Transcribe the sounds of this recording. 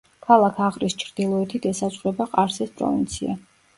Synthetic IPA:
kʰalˠakʰaʁɾist͡ʃʰɾd̪̥ilˠɔɛt̪ʰid̪ɛsazsʼʁʼwɛbaqʼaɾsɛspʼɾɔ̰vḭnt̪sʰia̰

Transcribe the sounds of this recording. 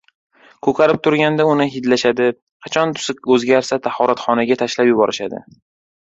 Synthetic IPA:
kʰɵkʰʲaɾɪp̚t̪ʰʊɾɡʲand̪aʊnɪɦɪd̪laʃad̪ɪ | qʰɑt͡ʃʰɒnt̪ʰʊ̥sɪk̚ʲɵzɡʲaɾsat̪ʰahɒɾat̪χɒnaɡʲat̪ʰaʃlapjʊbɒɾɪʃad̪ɪ̰

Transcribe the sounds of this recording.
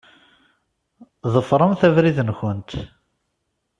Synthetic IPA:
ðəfɾˤəmθævɾiðənçənt̪

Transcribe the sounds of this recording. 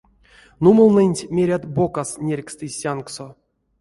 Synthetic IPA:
numɨlˠnɨnʲtʲmʲeɾʲat̪bo̞kasnʲerʲkst̪ɨsʲankso

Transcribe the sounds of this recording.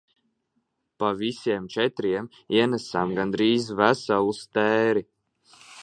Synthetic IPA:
pavisiɛmt͡ʃɛt̪ɾiɛm | iɛnæsamɡand̪ɾiːzvæsalˠust̪æːɾi

